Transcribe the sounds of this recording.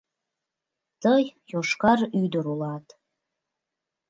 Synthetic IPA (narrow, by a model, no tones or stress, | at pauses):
təjjoʂkaryjd̪ɨɾulˠatʰʼ